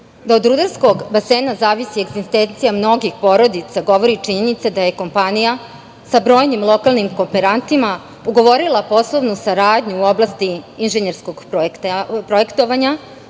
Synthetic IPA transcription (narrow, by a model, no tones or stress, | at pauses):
d̪aod̪ɾud̪aɾsko̞ɡbase̞ːnazaːʋisieɡzist̪ent̪sijamno̞ɡixpo̞ɾo̞d̪it̪saɡo̞ʋo̞ɾit͡ʂiɲenit̪sed̪aje̞ko̞mpanija | sabɾojnimlˠo̞kalˠnimko̞mpeɾant̪ima | uɡo̞ʋo̞ɾilˠapo̞slˠoʋnusaɾaːd̪ɲuːo̞blˠast̪iːnʒeɲeɾskoɡpoktapɾo̞e̞kt̪oʋaɲa